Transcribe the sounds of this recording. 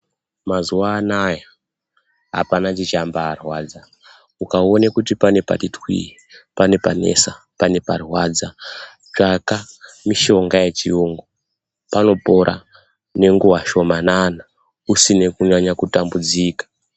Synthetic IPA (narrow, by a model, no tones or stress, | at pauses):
mazuwaːnaja | ɦa̰panat͡ʃit͡ʃambaːrwaːd͡za | ukaonekutipane̞pa̰titwḭ | pane̞pane̞̰sa | pane̞parwad͡za | t͡ʂaka | miʃo̞ŋɡaje̞t͡ʃiuŋɡo | pano̞po̞ɾʔa̰ | ne̞ŋɡuwaʃo̞manana | usinekuɲaɲakutambud͡ziːkḁ